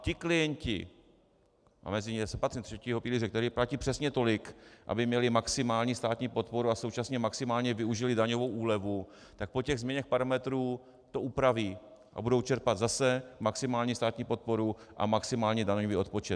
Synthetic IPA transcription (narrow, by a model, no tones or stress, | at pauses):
cɪklɪjɛɲcɪ̰ | ʔa̰mɛzɪɲsɛpat̪rit̪r̥ɛciːɦo̞piːlɪrɛkt̪ɛɾiːplaciːpr̥ɛsɲɛt̪o̞lɪkʔa̰bɪmɲɛlɪmaksɪmaːlɲiːst̪aːt̪ɲiːpo̞t̪po̞ɾuasowt͡ʃasɲɛmaksɪmaːlɲɛvɪuʒɪlɪdaɲo̞vo̞wʔuːlɛvu | t̪ak̚pocɛɣzmɲɛɲɛxpaɾamɛt̪ɾuː | t̪o̞ʔupɾaviː | ʔa̰budo̞wt͡ʃɛɾpad̪zasɛmaksɪmaːlɲiːst̪aːt̪ɲiːpo̞t̪̚po̞ɾuʔa̰maksɪmaːlɲidaɲoviːo̞t̪̚po̞t͡ʃɛt̪